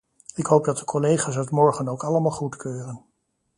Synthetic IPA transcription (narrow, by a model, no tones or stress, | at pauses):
ɪkɦowp̚dɑt̚dəkʰɔlejχaːsɦœtmɔɹχənowkɑləmaːlˠχutkøːrən